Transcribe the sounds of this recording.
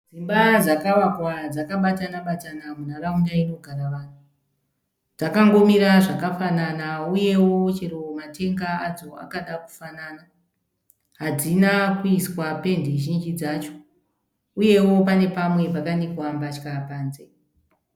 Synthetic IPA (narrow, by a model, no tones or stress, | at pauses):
d͡zimbad͡zakaʋakwad͡zakaɓatanaɓatanamunaraundaino̞ɡʱaɾaʋaːn̤u | d͡zakaŋɡo̞miɾaʐakafananauje̞wo̞t͡ʃeɾomate̞ŋɡaad͡zo̞a̰kaɗaku̥fanana | ɦad͡zinakuiswape̞ndeʒind͡ʒid͡zaːt͡ʃo̞̥ | uje̞wo̞pane̞pamwe̞pakanekuambat͡ʃkapaːnze